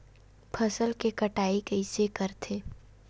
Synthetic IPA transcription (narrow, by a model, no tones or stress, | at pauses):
pʰɐsəlkekɐʈaːikɐisekəɾt̪ʰeː